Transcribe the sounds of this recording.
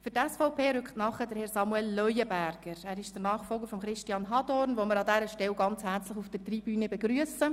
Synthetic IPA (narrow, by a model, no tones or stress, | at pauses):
fyɾtɛsfɔʊpʰeːɾʏkχtnɑχədəɾhɛɾsɑmuɛlːœjəbæɾɡ̥əɾæːɾɪʃd̥ənɑːχfɔlˠɡəɾfɔmχɾɪʃtiɑːnɦɑd̥ɔɾnʋoməɾɑdɛɾəʃtɛlɡɑnt͡shæɾt͡slɪχufd̥ətrib̥yːnəbɛɡɾyəsə